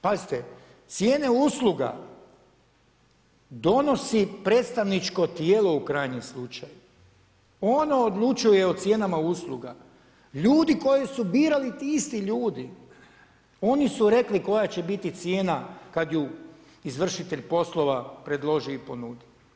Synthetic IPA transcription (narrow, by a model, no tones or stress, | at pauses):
pazit̪e | t̪sjeːne̞uslˠuɡa̰ | d̪o̞no̞sipɾe̞ːt̪st̪aʋnit͡ʃko̞t̪jeːlo̞ukɾaːjɲimslˠut͡ʃaju | o̞no̞ːd̪lˠut͡ʃujeot̪sje̞ːnamauslˠuɡa̰ | ʎuːd̪iko̞jesubiːɾalit̪iist̪iʎuːd̪i | o̞nisuɾe̞kliko̞jat͡ɕebit̪it̪sje̞ːnakad̪ju | izʋr̩ʃit̪e̞ʎpo̞slˠo̞ʋapɾe̞d̪lˠo̞ʒiipo̞nuːd̪i